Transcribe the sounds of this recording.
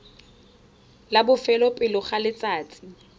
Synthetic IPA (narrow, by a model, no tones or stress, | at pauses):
labʊfɛlɔpʼɪlɔχalɪt͡sʼaːt͡sʼi̥